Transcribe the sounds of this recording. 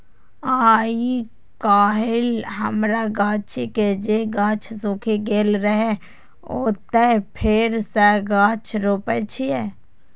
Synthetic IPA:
aːi | kaːɦɪlɦəmɾaɡãːt͡ʃʰiked͡ʒeɡãːt͡ʃʰsõːkʰeɡeːlɾəɦe | o̰ːt̪epʰɪɾsɛɡãːt͡ʃɾoːpɛt͡ʃʰiɛː

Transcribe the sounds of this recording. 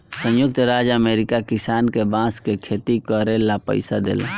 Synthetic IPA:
sə̃jʊk̚t̪ɾad͡ʒəmeɾikakisankebãskekʰet̪ikəɾelapə̰ɪjsad̪ḛl̰

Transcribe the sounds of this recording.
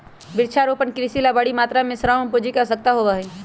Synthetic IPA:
bɪɾt͡ʃʰaɾoːpənkɾisilabaɽimaːt̪ɾamẽsɾampuːd͡ʒʱikɐsək̚t̪aɦobaɦi

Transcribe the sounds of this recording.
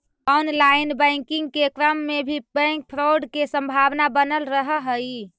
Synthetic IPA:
ɔnlaɪnbə̃ŋkɪŋɡkekɾəmːebʱibə̃ŋk̚pʰɾoɖkesə̃mbʱawnabənəlɾəɦəɦəi

